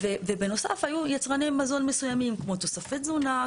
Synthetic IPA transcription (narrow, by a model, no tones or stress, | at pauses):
vevebe̞no̞sa̰fhajujat͡sʁanemːazo̞nmesujamimkmo̞t̪o̞safet̪zuna